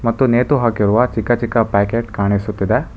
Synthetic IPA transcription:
mɐt̪ːuneːt̪uɦaːkiɾuʋɐt͡ʃikːɐt͡ʃikːɐpaːkeːʈkaːɳisut̪ːid̪e

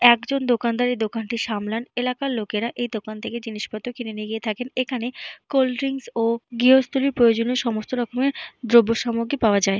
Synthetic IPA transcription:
ɛkd͡ʑond̪okand̪aɾid̪okanʈiʃamlanelakaɾlokeɾaʔejd̪okant̪ʰeked͡ʑiniʃbat̪ːokinenieɡiet̪ʰakenekʰanekolɾiŋsoɡiɦost̪ʰoliɾpɾojod͡ʑonioʃɔmost̪oɾɔkʰomeɾd̪ɾobːoʃamoɡipaoad͡ʑae

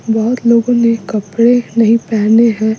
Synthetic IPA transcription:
bɐɦʊt̪loːɡõnekɐpɽenɐɦĩpɛːneɦɛ̃

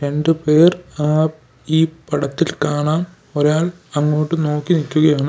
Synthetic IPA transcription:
ɾe̞ɳɖɨpe̞ːraː | iːpɐɽɐt̪ːilkaːɳaːm | oɾaːɭ | ɐŋːoːʈːɨno̞ːkːinikʲːuɣɐjaːɳɨ

